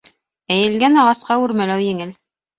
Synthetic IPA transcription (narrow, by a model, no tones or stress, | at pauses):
æjɘ̆lɡænɑʁɑsqɑʉɾmælæwjɘ̆ŋɘl